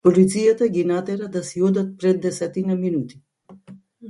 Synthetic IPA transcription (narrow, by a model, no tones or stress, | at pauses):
pɔlit̪sijat̪aɡinat̪ɛɾad̪asiɔd̪at̪̚pɾɛd̪ːɛsɛt̪inaminut̪i̥